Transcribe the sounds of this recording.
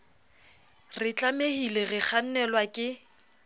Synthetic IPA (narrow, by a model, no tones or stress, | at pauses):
rɪt͡ɬʼamehileɣɪk͡xʰan̩nɛlwakʼɪ